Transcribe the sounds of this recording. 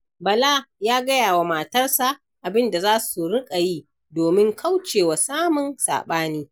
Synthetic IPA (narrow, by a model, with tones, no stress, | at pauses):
bɐ˨la˦jaː˦ɡɐ˦jaː˨wa˨ma˨tɐ˦rsa˨ʔ | ʔa˨bɪ˦nda˨zaː˦su˨ɽɪ˦kʼa˨jiː˦ | doː˨mɪ˦ŋkʰa˦wt͡ʃeː˨wa˨saː˦mʊ˨nsa̰ː˨ɓaː˦niː˦